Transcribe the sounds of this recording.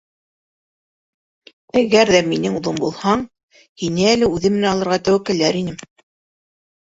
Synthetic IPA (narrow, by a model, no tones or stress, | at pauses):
æɡæɾðæminɘŋuðˠombulˠhɑɴ | hinɘælɘʉðɘmɘ̆nænɑlˠɤ̆ɾʁɑt̪æwækɘ̆læɾinɘm